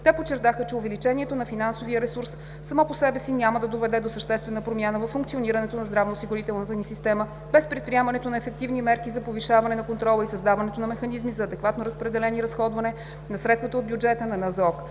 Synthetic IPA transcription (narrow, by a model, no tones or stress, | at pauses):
t̪ɛpot͡ʃːɛɾt̪axət͡ʃɛʊvɛlit͡ʃɛniɛt̪onɐfinansoviəɾɛsuɾsː | ɐmɔposɛbɛsinʲaməd̪ɐd̪ovɛd̪ɛd̪osəʃt̪ɛst̪vɛnəpɾomʲjanəvɐfːuŋkt̪sioniɾɐnɛt̪onɐzd̪ɾavnosiɡʊɾit̪ɛlˠnət̪ənisist̪ɛmə | b̥ɛspɾɛt̪pɾiɛmɐnɛt̪onɐɛfɛk̚t̪ivnimɛɾkizɐpoviʃavɐnɛnɐkont̪ɾɔlˠəisəzd̪avɐnɛt̪onɐmɛxɐnizmizɐːd̪ɛkvat̪noɾəspɾɛd̪ɛlɛniɾɐsxɔd̪vɐnɛ | nɐsɾɛt̪st̪vɐt̪əotd̪bjud͡ʒɛt̪ənɐnɐzɔk